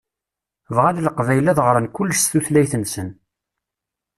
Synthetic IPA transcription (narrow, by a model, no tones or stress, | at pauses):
vʁalləqvæjlæðʁɾˤənkʊlːəʃθuθlæjθənsən